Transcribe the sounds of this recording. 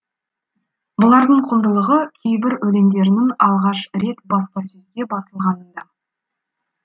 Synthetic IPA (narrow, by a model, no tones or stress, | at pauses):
bʊlˠɑɾd̪əɴqʰʊnd̪əlˠəʁəkʲʰejbɪɾwɵle̞nd̪e̞ɾɪnɪŋɑlˠʁɑʃɾe̞t̪bɑspɑsɵzɡʲe̞bɑsəlˠʁɑnənd̪ɑ